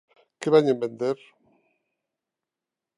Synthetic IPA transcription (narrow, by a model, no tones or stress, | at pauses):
keβaɲembend̪eɾ